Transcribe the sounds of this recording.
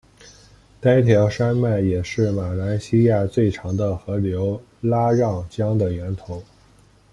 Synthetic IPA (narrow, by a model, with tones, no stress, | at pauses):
t̪a˥nt̪ʰjɑ˧˥ʊʂa˥nma˥˩ɪjɛ˨˩ʂɻ̩˥˩ma˨˩la˧˥nɕi˥ja˥˧t͡swe˥˩ɪʈ͡ʂʰɑ˧˥ŋd̪ə˧xɤ˧˥ljo˧˥ʊ | la˥ɻɑ˥˩ŋt͡ɕjɑ˥ŋd̪ə˨ɥɛ˧˥nt̪ʰo˧˥ʊ